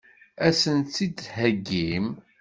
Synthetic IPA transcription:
æsənid̪hæɡːim

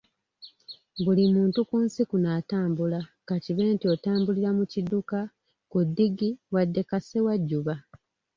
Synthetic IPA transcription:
bulimuːntukunsikunaːtaːmbulakaciβe̞ːntiotaːmbuliɾamuciduka | kudːiɡiwadːe̞kase̞waɟːuβa

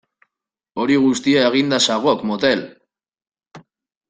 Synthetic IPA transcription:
o̞ɾiɣ̞ust̪iaeɣ̞ind̪asaɣ̞o̞kmot̪e̞l

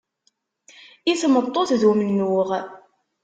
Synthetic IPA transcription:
iθmət̪ˤːoθðumənːʊʁ

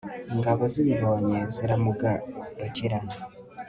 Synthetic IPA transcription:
ŋɡaβoziβiβoːɲeziɾamuɡaɾociɾana

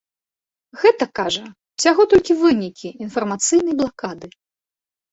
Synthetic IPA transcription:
ɣɛt̪ɐkaʐɐ | wsʲaɣɔt̪ɔlʲkʲivɨnʲikʲiːnfɐrmat̪sɨjnɐjblˠakad̪ɨ

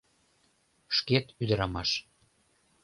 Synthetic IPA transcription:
ʃket̪yd̪əɾɑmɑʃ

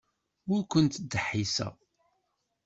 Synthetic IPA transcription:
ʊɾkʷənt̪d̪ːəħːisə̰

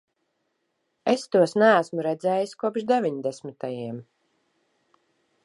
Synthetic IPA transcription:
est̪uɔsnææsmuɾɛd̪zɛːjiskuɔpʃd̪evʲiɲd̪ɛsmʲit̪ajiɛm

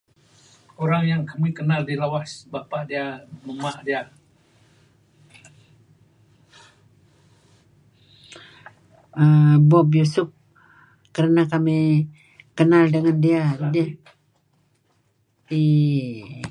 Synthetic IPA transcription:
oɾaŋjaŋkamikənaldilawasbapaʔdiaməmaʔdia | əbɔbjusʊp̚ | kəɾənakami | kənaldəŋandiadia | i

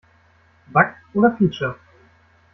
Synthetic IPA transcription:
bakʔoːɾɐfiːt͡ʃɐ

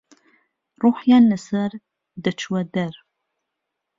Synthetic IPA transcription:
ruːħjanːɨsɐr | dɨt͡ʃʰwɐdɐr

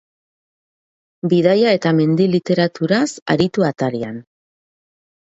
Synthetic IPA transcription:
biðajae̞t̪ame̞nd̪ilit̪e̞ɾat̪uɾasa̰ɾit̪uat̪aɾian

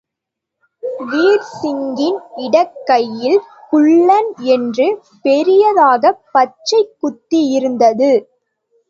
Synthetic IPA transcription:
ʋiːɾsɪŋɡɪnɪɽɐkːɐjːɪlkʊɭːɐnɛndrɯ | pɛɾɪjɐðaːɣɐpːɐt͡ʃːɐɪkːʊt̪ːijɪɾɯnd̪ɐðɯ

